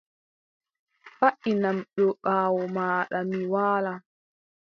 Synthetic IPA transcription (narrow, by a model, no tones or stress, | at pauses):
faʔinamɗɔɓaːwɔmaːɗamiwaːla